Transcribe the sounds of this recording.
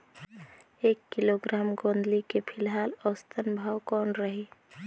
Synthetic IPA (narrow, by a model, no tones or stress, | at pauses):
ekːiloɡɾaːmɡõnd̪likepʰilɦalɔst̪ʰənbʱawkɔnɾəɦi